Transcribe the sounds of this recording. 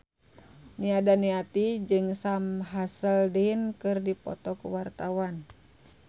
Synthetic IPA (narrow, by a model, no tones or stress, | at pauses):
niadaniat̪id͡ʒɨŋsamɦasəldinkɨrdipɔ̰t̪ɔkuwart̪awan